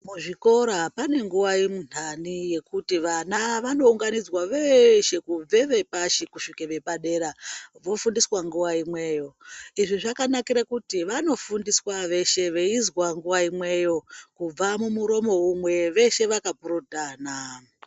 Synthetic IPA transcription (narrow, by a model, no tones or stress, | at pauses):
muʐiko̞ɾapane̞ŋɡuʋaimun̥anije̞kutiʋanaʋano̞uŋɡanid͡zwaʋe̞ʃe̞kub͡ve̞ʋe̞paʃikuʃikeʋe̞paɗe̞ɾaʋo̞fundiswaŋɡuʋaimwe̞ːjo̞iʐiʐakanakiɾakutiʋano̞fundiswaʋe̞ʃe̞ʋeizwaŋɡuʋaimwe̞jo̞kub͡vamumuɾo̞mo̞umwe̞ʋe̞ʃe̞ʋakapuɾutana